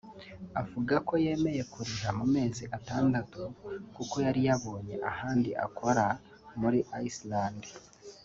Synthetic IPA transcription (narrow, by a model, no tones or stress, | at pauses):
avuɡako̞je̞ːme̞je̞kuɾiɾamume̞ːziʔataːndatukuko̞jaɾijaβo̞ːɲe̞̰ʔahaːndiʔa̰kʰo̞ɾa | muɾiʔaislaːndi